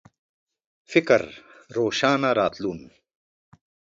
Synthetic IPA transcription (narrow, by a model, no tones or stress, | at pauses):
fɪkɐ̰ɾɾoːʃaːnaɾaːt̪luːn